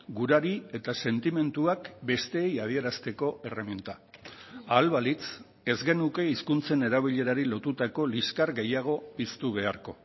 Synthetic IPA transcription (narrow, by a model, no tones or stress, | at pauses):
ɡuɾaɾie̞t̪ase̞nt̪ime̞nt̪uakbe̞st̪e̞ːjað̞ie̞ɾast̪e̞ko̞e̞remint̪a | aːlβalit͡s | e̞zɣe̞nuke̞iskunt͡se̞ne̞ɾaβ̞iʎe̞ɾaɾilo̞t̪ut̪ako̞liskaɾɣe̞jaɣ̞o̞pist̪uβ̞e̞aɾko̞